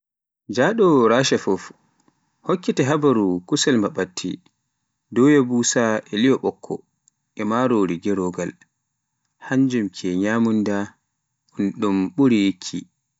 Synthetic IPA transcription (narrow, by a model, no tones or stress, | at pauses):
d͡ʒaːɗɔɾaːʃɛfɔf | hokːitɛɦabaɾukusɛlmbaɓatʰːḭ | dɔjɛbusaɛlijɔɓɔkʰːɔ̰ | ɛmaːɾoːɾiɡɛɾɔɡal | haɲd͡ʒumkʰɛɲaːmunda | unɗumɓuɾijikʰːi